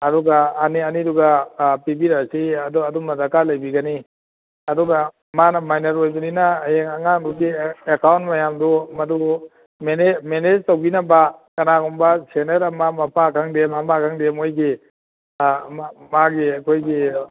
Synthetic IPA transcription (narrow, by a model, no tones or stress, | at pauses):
ɐdɔɡaːniɐniduɡapibiɾasiɐduɐdumɐdakalɐjbiɡani | ɐdɔɡa | manɐmajnɐɾojbuninɐjeŋaŋaŋduɡiekawntmɐjamdumɐdu | menemened͡ʒtowbinɐbakɐnaɡɔmbɐseneɾɐmamɐpʰakʰaŋdemamakʰaŋdemojɡi | mamaɡiakʰojɡi